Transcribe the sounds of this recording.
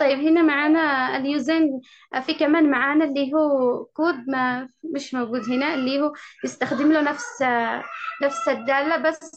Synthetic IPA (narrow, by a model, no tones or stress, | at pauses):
t̪ˤɑjːɪbhɪnamaʕaːnaljuːzan | fikamaːnmaʕaːnalːiɦuːkuːd̪̚mamɪʃmaɡuːd̪ɦɪnaʔɪlːiːhujɪst̪axd̪ɪmlunafs | nafsɪd̪ːaːlːabasː